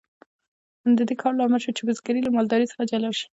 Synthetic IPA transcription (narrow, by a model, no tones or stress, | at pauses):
nd̪əd̪ekʰɑɾlɑmɪlʃot͡ʃebəzɡaɾilamɑld̪ɑɾisə̥xad͡ʒalawʃi̥